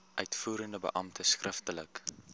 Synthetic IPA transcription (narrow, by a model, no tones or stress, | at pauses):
ʔœɥtfuːɾəndəbə̰ʔɐmtʰəskrʔəftələk